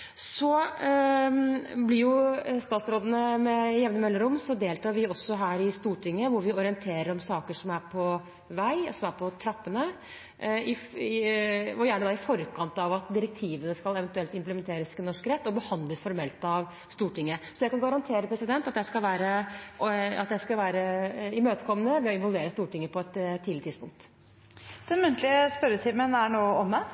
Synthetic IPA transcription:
sɔ | blɪɾjʊst̪ɑːt̪sɾoːd̪ənəmɛjɛʋnəmœlːəɾʊmsɔd̪eːlt̪ʰɑːɾʋɪɔsːɔɦæːɾɪst̪uːʈʰɪŋːəʋʊɾʋɪɔɾɪənt̪ʰeːɾəɾɔmsɑːkəʂɔmæɾpʰɔ | ʋæɪɔsɔmæɾpʰɔt̪ʰɾɑpːənə | ɪ | ɔjæːɳəd̪ɑɪfɔɾkʰɑnt̪ɑʋɑt̪d̪ɪɾɛk̚t̪ʰiːʋənəskɑlɛʋɛnt̪ʉɛlt̪ɪmpləmɛnt̪ʰeːɾəsmɛnɔʂkɾɛt̪ːɔbəhɑnd̪ləsfɔɾmɛlt̪ɑʋ | st̪uːʈɪŋːəsɔjæɪkɑnɡɑɾɑnt̪ʰeːɾəpʰɾɛsɪd̪ɛnt̪ɑt̪jæɪskɑlʋæːɾə | ɑ̰t̪jæɪskɑlʋæːɾəɪmøːt̪ə̥kʰɔmːənəʋɛɔɪnʋɔlˠʋeːɾəst̪uːʈɪŋːəpʰɔɛt̪ʰːɪːlɪət̪ɪd̪spʊŋk̚t̪ | d̪̥ɛnmʉnt̪ʰlɪəspœɾət̪ʰɪːmənæɳoːɔmɛ

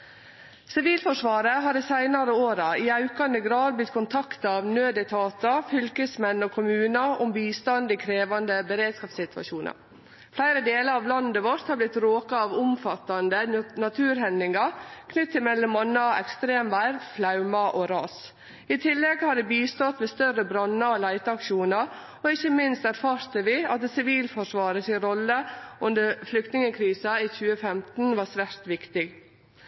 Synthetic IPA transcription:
sɪʋiːlfɔʂʋɑːɾəɦɑːɾɛsæɪnɑɾəoːɾɑiːɑʉkɑnd̪əɡɾɑːd̪̚blɪt̪kʰʊnt̪ʰɑkt̪ɑɑʋnøːd̪ɛt̪ʰɑːt̪ɑfʏlkəsmɛnːoːkʰʊmʉːnɑʔʊmbiːst̪ɑnd̪ikʰɾeːʋɑnd̪əbəɾeːd̪skɑːpsɪt̪ʋɑ̰ʃuːnʔɑ̰ɾ | flæɪɾəd̪eːləɾɑːʋlɑnd̪əʋoɾt̪hɑɾblɪt̪ɾoːkɑɑʋʊmfɑt̪ːɑnd̪ənɑt̪ʰʉːɾhɛnd̪ɪŋɑkʰnʏt̪ʰːɪmɛlːɔmɔnːɑɛkst̪ɾeːmʋæɪɾflɑʉmɑʔoːɾɑːs | ɪt̪ʰɪlːɛɡhɑd̪ɛbiːst̪ɔt̪ʋeːst̪œɾːəbɾɑnːɑoːlæɪt̪əɑkʃuːnəɾ | ɔɪçːəmɪnst̪æɾfɑːɾt̪əʋɪɑt̪̚d̪ɛːsɪʋiːlfɔʂʋɑːɾəsɪɾɔlːəʉnd̪əɾflʏk̚t̪nɪŋəkʰɾiːsɑiːçʉːəfɛmt̪n̩ʋɑːsʋæɾt̪ʋɪkt̪ɪɡ

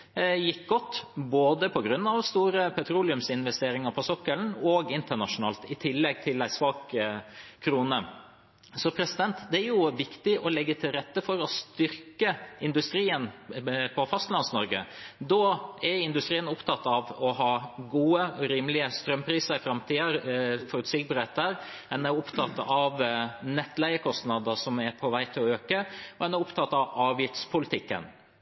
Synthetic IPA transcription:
jɪkɡɔt̪ːboːd̪əpʰɔɡɾʉnːɑʋst̪uːɾəpʰɛt̪ʰɾuːlɪʉmsɪnʋɛst̪eːɾɪŋəpʰɔsɔkːəln̩ɔɡɪnt̪əɳɑʂʊnɑːlt̪ɪt̪ʰɪlːɛɡ̚t̪ʰɪlæɪsʋɑːk | kʰːɾuːnə | sɔpʰɾɛsɪd̪ɛnt̪d̪ɛæɾjʊʋɪkt̪ɪʔɔlɛɡːət̪ʰɪlɾɛt̪ːəfɔɾɔst̪ʏɾkəɪnd̪ʉst̪ɾiːənpʰɔfɑst̪lɑnsnɔɾɡə̰d̪oːɛɾɪnd̪ʉst̪ɾiːənʊpt̪ʰɑt̪ːɑʋɔɦɑːɡuːəɔɾiːmlɪəst̪ɾœmpʰɾiːsəɾɪfɾɑmt̪ʰiːəɾfɔɾʉːt̪sik̚bɑɾɛt̪əɾ | ɛnɛɾʊpt̪ʰɑt̪ːɑʋnɛt̪ːlæɪəkʰɔst̪nɑd̪əʂɔmɛɾpʰɔʋæɪt̪ʰɪlɔøːkəɔɛnɛɾʊpt̪ʰɑt̪ːɑʋɑːʋjɪft̪spʰʊlɪt̪ʰɪkːə̰n

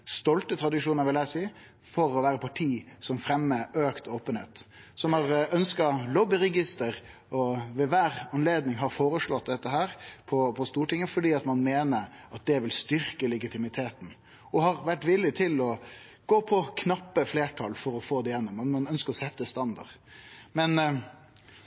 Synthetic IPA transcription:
st̪ɔlt̪ət̪ʰɾɑd̪ɪʂuːnəɾʋɪlæɪsiː | fɔɾɔʋæːɾəpʰɑʈʰiːsɔmfɾɛmːəʔøːkt̪oːpənhḛːt̪sɔmhɑɾœnskɑlɔbɪɾɛɡɪst̪əɾ | ɔʋɛʋæːɾɑnleːd̪nɪŋɦɑɾfoːɾəʂɭɔt̪̚d̪ɛt̪ːəɦæːɾpʰɔpʰɔst̪uːʈɪŋːəfɔɖiːɑt̪mɑnmeːnəɾɑt̪̚d̪ɛʋɪlst̪ʏɾkəlɛɡɪt̪ʰɪmɪt̪ʰeːt̪n̩ | ɔɦɑɾʋæʈːʋɪlːɪt̪ʰɪlɔ | ɡ̥oːpʰɔkʰnɑpːəfleːʈʰɑlfɔɾɔfoːd̪ɛjɛnːʊmɑnmɑnœnskəɾɔsɛt̪ːəst̪ɑnd̪ɑ̰ʁmɛn

